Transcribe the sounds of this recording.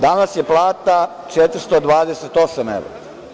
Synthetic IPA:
d̪anasjeplˠaːt̪a | t͡ʃet̪ɾ̩st̪od̪ʋaːd̪eset̪o̞samḛʋɾa

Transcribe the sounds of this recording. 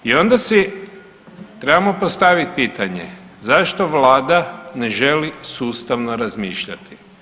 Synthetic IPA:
io̞nd̪asi | t̪ɾe̞bamopost̪aʋit̪̚piːt̪aɲḛ | zaʃt̪oʋlaːd̪ane̞ʒe̞lisuːst̪aʋnoɾazmiːʃʎa̰t̪i̥

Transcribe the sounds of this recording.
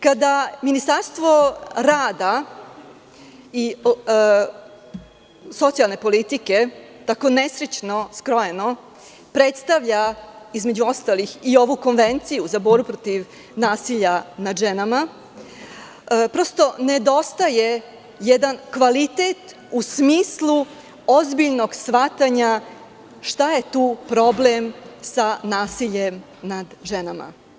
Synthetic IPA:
kad̪aminist̪aɾst̪ʋo̞ɾaːd̪a | i | so̞t̪sijalˠne̞po̞lit̪ike̞t̪ako̞nesɾet͡ʃnoskɾojeno | pɾet̪st̪aʋʎaizme̞d͡ʑuo̞st̪alixio̞ʋuko̞nʋent̪sijuzaboːɾbupɾot̪iʋ | naːsiʎanad̪ʒenama | pɾo̞st̪o̞ne̞d̪o̞st̪aje̞ | jed̪ankʋalit̪e̞t̪ | usmiːslˠu | ozbiʎno̞ɡsʋat̪aɲa | ʃt̪aje̞t̪uːpɾo̞blemsanaːsiʎem | nad̪ʒenama̰

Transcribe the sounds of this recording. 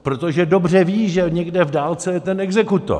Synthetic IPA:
pɾot̪oʒɛdobr̝ɛviːʒɛɲɛɡdɛvdaːlt͡sɛjɛt̪ɛnɛɡzɛkut̪o̰

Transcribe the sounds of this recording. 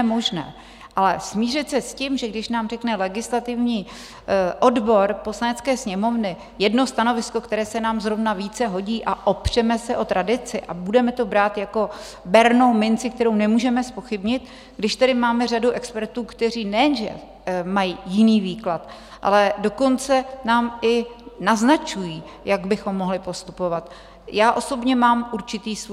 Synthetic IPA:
ɛmoʒnɛ̰ː | ʔalɛsmiːrɪt̪sɛscimʒɛɡdɪʃnaːmr̝ɛknɛlɛɡɪslat̪ɪvɲiː | ʔo̞dbo̞ɾpo̞slanɛt͡skɛːsɲɛmo̞vnɪ | jɛdno̞st̪ano̞vɪsko̞kt̪ɛɾɛːsɛnaːmzɾovnaviːt͡sɛɦo̞ɟiːʔaʔopr̝̥ɛmɛsɛʔo̞t̪ɾʔadɪt͡sɪʔabudɛmɛt̪o̞bɾaːt̪jako̞ | bɛɾno̞wmɪnt͡sɪk̚t̪ɛɾo̞wnɛmuːʒɛmɛspo̞xɪbɲɪt̪ | ɡdɪʃt̪ɛdɪmaːmɛr̝aduʔɛkspɛɾt̪uːkt̪ɛr̝iːnɛjɛnʒɛ̰ | majijɪniːviːklat̪ | ʔa̰lɛdo̞ko̞nt͡sɛnaːmɪnaznat͡ʃujiː | jaɡbɪxo̞mːo̞ɦlɪpo̞st̪upo̞vat̪ | jaːʔo̞so̞bɲɛmaːmʔuɾt͡ʃɪt̪iːs

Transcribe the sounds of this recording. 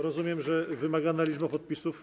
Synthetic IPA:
ɾɔzumʲjɛmʐɛvɘmaɡanalʲid͡ʒbapɔt̪̚pʲisuf

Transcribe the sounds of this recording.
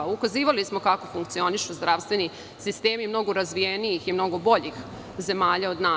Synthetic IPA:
ukaziːʋalismo̞kako̞fuŋkt̪sio̞niʃuzd̪ɾaːʋst̪ʋe̞ni | sist̪e̞ːmimno̞ɡo̞ɾazʋijenijiximno̞ɡo̞bo̞ʎix | ze̞maːʎao̞d̪naː

